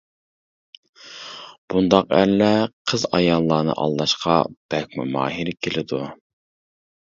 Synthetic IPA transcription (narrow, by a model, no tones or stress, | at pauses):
b̥und̪ɑqæ̰ɾlɛqʰəzɑjɑlˠːɑːnɨ̰ʔɑ̰lˠːɑʃqʰɑb̥ɛk̚ʲmṵmɑ̰ːɦiɾɪkʲʰelɪd̪u